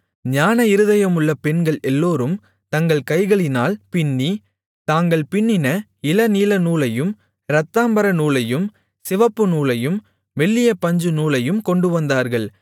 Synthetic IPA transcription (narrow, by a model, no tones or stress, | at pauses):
ɲaːnɐɪɾɯðɐjɐmɯɭːɐpɛnɡɐɭɛlːoːɾɯm | t̪ɐŋɡɐɭkɐɪɣɐɭɪnaːlpɪɳːi | t̪aːŋɡɐɭpɪɳːɪnɐ | ɪlɐniːlɐnuːlɐjɯm | ɾɐt̪ːaːmbɐɾɐnuːlɐjɯm | sɪʋɐpːɯnuːlɐjɯm | ʋɛɭːɪjɐpːɐɲd͡ʒɯnuːlɐjɯmkɔɳɖɯʋɐnd̪aːɾɣɐɭ